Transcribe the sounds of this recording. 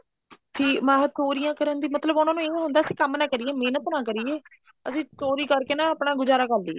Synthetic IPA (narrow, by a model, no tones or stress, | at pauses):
sĩːmãɦtoːɾijãːkəɾənd̪iːmət̪ləbʊnãːnũːeːɦʊnd̪aːəsĩːkəmnaːkəɾiːeːmeːnət̪nãːk̬əɾiːeː | əsĩːtoːɾiːkəɾkeːnãːəpɳãːɡʊzaːɾaːkəɾd̪ḭː